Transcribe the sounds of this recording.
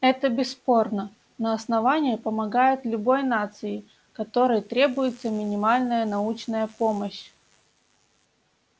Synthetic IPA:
ɛt̪əbʲɪsːpo̞rnə | nəɐsnɐvanʲɪjɪpəmɐɡajɪt̪lʲʊbo̞jnat̪sɨjɪ | kɐt̪o̞ɾɨjt̪ɾʲe̞bʊjɪt̪səmʲɪnʲɪmalʲnəjənɐut͡ɕnəjəpo̞məɕ

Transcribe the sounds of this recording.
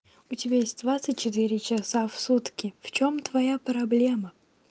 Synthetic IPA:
ʊtʲɪbʲajesʲt̚ʲd̪vat̪sɨtʲt͡ɕːɪt̪ɨɾʲɪt͡ɕɪsafsut̪kʲɪft͡ɕomt̪vɐjapɾɐblʲe̞mə

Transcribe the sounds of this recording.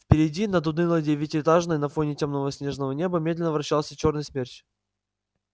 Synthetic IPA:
fpʲɪɾʲɪdʲinəd̪ʊd̪nɨlˠədʲevʲɪtʲɪɪt̪aʐnəjnɐfo̞nʲɪtʲomnəvəsʲnʲe̞ʐnəvənʲe̞bəmʲe̞d̪lʲɪnəvɾɐɕːalˠsʲət͡ɕo̞rnɨjsmʲert͡ɕʲ

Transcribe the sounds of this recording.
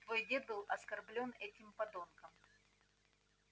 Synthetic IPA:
t̪vo̞jdʲe̞d̪̚bɨlˠʔɐskɐrblʲo̞nɛtʲɪmpɐd̪onkəm

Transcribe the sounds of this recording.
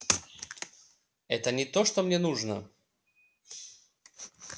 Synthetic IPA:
ɛt̪ənʲɪt̪oʂt̪omnʲenuʐnə

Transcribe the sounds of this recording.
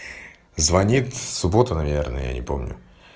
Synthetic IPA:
zvɐnʲit̪sʊbo̞t̪ʊnɐvʲernəjə̰ja̰nʲɪ̰po̞̰mnʲʊ̰

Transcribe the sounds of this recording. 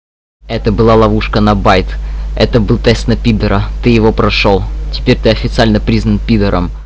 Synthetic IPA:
ɛt̪əbɨlˠalˠɐvuʂkənɐbajt̪ɛ̰t̪əbɨlˠt̪ɛsnɐpʲid̪əɾət̪ɨjɪvopɾɐʂolˠtʲɪ̥pʲeɾʲt̪ɨɐfʲɪt̪sɨalʲnəpɾʲiznənpʲid̪əɾə̰m

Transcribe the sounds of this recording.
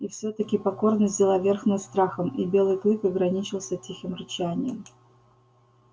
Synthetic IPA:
ifsʲot̪əkʲɪpɐko̞rnəzʲzʲɪlˠavʲerxnost̪ɾaxəmibʲe̞lˠɨjklʲˠɨkɐɡɾɐnʲit͡ɕɪlˠsʲətʲixɪmrɨt͡ɕanʲɪjə̰m

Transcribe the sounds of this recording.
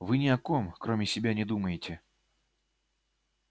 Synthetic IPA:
vɨnʲɪɐko̞mkɾo̞mʲɪsʲɪbʲanʲɪd̪uməjɪtʲɪ

